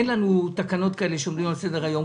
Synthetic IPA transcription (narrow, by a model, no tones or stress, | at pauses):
enlanut̪akano̞t̪kae̞leʃeomlimalse̞deʁhajo̞m